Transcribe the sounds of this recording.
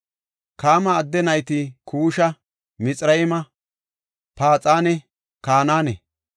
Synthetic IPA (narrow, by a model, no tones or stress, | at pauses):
kaːmɐːd̪ːɛnɐjt̪ɪkʰuːʃɐ | mɪt͡sʼɾɐjɪmɐ | paːt͡sʼaːnɛ | kaːnaːnɛ